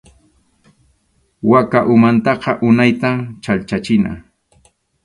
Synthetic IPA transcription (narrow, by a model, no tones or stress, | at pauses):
wakaʔʊmant̪ɑqɑʔʊnajt̪amt͡ʃalt͡ʃat͡ʃɪna̰